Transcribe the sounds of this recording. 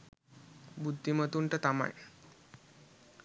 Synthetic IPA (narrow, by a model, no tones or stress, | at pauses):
bud̪ʱːimət̪uːɳʈət̪ama̰j